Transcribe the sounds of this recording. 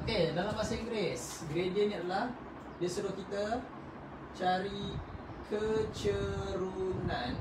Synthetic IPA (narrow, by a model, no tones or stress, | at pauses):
okedalamːasaiŋɡɾɛsɡɾediəniadəlah | diəsədokit̪ə | t͡ʃaɾi | kʰət͡ʃəɾunan